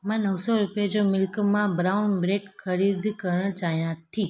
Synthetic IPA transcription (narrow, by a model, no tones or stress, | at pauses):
mãnəwsoɾupjad͡ʒomɪlkmãbɾawnbɾeʈkʰəɾid̪kəɾɳd͡ʒajãt̪ʰi